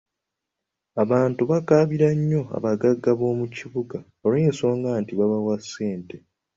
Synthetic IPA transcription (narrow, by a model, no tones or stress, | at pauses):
aβaːntuβakaβiɾaɲːo̞a̰βaɡaɡːaβo̞ːmuciβuɡa | oɾenso̞ːŋɡaːntiβaβawasːe̞ːnte̞